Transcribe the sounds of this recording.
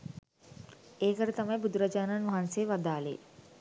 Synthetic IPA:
eːkɐɾit̪ɐmɐjbud̪uɾɐd͡ʒaːnanʋɐɦanseːʋɐd̪aːlḛː

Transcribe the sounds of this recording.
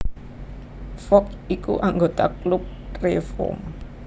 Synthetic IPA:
fɔkikṵʔaŋɡot̪aklup̚refɔ̰m

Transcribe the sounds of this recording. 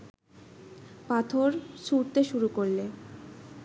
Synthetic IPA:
pat̪ʰoɾʃuɾt̪eʃuɾukoɾle

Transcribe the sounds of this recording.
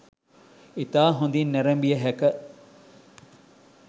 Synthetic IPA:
it̪aːɦund̪inːeɾɐmbijɐɦækɐ

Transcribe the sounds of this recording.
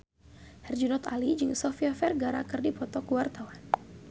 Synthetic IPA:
hɛrd͡ʒunɔt̪alid͡ʒɨŋsɔfiafɛrɡaɾa̰kɨrdipɔt̪ɔkuwart̪awan

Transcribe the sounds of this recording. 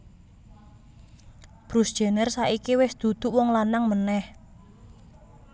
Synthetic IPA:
b̥ɾusd̥ʒ̥e̤nɛrsaʔikiwɪsd̪̥ṳd̪̥ʊ̤ʔwɔŋlanaŋmənɛh

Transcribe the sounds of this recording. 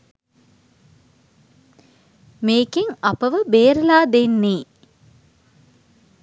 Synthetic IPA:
meːkeŋɐpəʋəbeːɾəlaːd̪enːeː

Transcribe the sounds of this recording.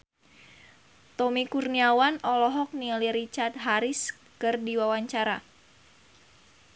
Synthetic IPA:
t̪ɔmikurniawanɔlɔɦɔk̚niliɾit͡ʃart̪̚ɦaɾis | kɨrdiwawaɲt͡ʃaɾa̰

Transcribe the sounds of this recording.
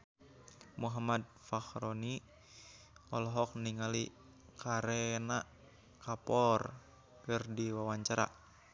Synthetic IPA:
muɦamad̚ | faxɾoni | ɔlɔɦɔk̚niŋali | kaɾɛna | kapɔr | kɨrdiwawaɲt͡ʃaɾa̰

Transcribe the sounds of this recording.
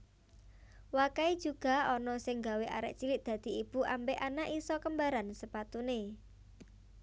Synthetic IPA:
wakaid̥ʒ̥uɡ̥ä̤ɔnɔsɪŋɡaweʔa̰ɾɛ̰ʔt͡ʃilɪt̚d̪̥ä̤d̪̥i̤ib̥uʔambeʔanaʔisɔkəmbaɾansəpat̪une

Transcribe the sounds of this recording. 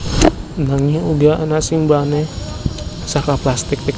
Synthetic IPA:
naŋiuɡaanasimbane | sakaplast̪ɪk̚t̪ik

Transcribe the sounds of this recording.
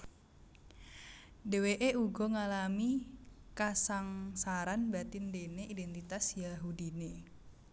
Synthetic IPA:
deweʔeʔuɡɔŋalami | kasaŋsaɾanbat̪ɪndeneʔidɛnt̪it̪asjaɦudine

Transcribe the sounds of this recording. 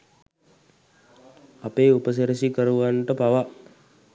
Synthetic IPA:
apeːupəs̬eɾisikəɾuʋaɳʈəpaʋa

